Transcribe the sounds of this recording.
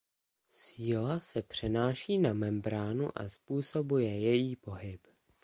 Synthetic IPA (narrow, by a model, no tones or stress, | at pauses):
siːlasɛpr̝̥ɛnaːʃiːnamɛmbɾaːnṵʔa̰spuːso̞bujɛjɛjiːpo̞ɦɪp